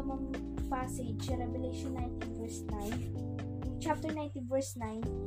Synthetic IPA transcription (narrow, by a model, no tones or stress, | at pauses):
ɐmɐŋ | pased͡ʒsɐɾɛvɛlɛjʃɔ̃nːajnt̪invɛɹsnajn | t͡ʃap̚t̪ɛɹnãjnt̪invɛɹsnajn